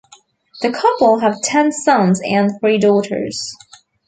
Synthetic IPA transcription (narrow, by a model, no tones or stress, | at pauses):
ðɨkʰʌpl̩ˠɦəv̥tʰɛ̃nsʌ̃nzɨ̃nθɹidɔɾə̰˞z̥